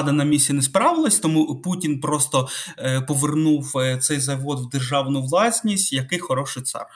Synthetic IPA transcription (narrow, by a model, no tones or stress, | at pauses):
d̪ɐnɐmʲisʲinɛspɾɑʋɪlˠɐsʲt̪ɔmuputʲinpɾɔst̪ɔpɔʋernuwt̪sɛjzɐʋɔd̪wd̪erʒɑwnʊʋlˠɑsʲnʲisʲtʲjɐkɪjxɔɾɔʃɪjt̪sɑ̰r